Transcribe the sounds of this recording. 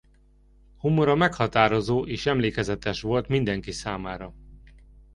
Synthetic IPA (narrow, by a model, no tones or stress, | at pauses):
humoɾɒmɛkhɒt̪aːɾo̞zoːʔeːʃɛmleːkɛzɛt̪ɛʃʋo̞lt̪mind̪ɛŋkisaːmaːɾɒ